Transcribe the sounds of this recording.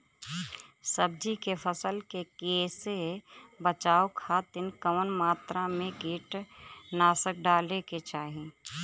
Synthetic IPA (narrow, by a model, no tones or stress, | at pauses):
səb̚d͡ʒikepʰəsəlkekeːsebət͡ʃaːokʰaːt̪ɪnkəʋnmaːt̪ɾamẽɡiːʈnaːsək̚ɖaːleket͡ʃaːɦi